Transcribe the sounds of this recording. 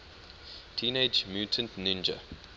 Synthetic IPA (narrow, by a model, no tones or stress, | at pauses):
tʰiːneɪd͡ʒmjuːtʰə̃ntnĩnd͡ʒə̰